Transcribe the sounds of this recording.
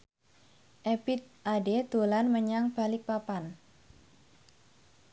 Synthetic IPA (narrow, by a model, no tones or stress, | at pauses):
ʔepit̪̚ʔaded̪̥o̤lanməɲaŋb̥a̤lik̚papan